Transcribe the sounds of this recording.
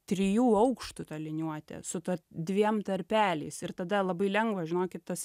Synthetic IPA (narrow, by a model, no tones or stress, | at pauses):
t̪ʲɾʲɪjuːɐʊkʃt̪ʊt̪ɐlʲɪnʲuɔt̪ʲɛ̰sʊt̪ɐd̪ʲʋʲiɛmt̪ɐɾʲpʲæːlʲɛɪsɪɾt̪ɐd̪ɐlˠɐbɐɪlʲɛŋɡʋɐʒʲɪnoːkʲɪt̪t̪ɐs